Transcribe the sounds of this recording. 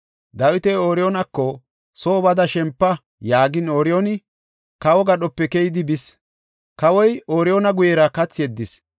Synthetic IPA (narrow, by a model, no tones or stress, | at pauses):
d̪ɐwɪt̪ɛoːɾɪjoːnɐkːɔ | so̞ːbɐd̪ɐʃɛmpːɐ | jaːɡɪnoːɾɪjonɪ | kɐwɔɡɐɗɔpːɛkɛjɪd̪ɪbɪs | kɐwɔjoːɾɪjoːnɐɡʊjɛɾɐkɐt͡sːɪjɛd̪ːɪs